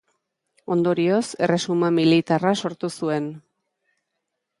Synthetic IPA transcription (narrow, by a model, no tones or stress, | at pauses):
o̞nd̪o̞ɾio̞se̞re̞sumamilit̪araso̞ɾt̪usue̞n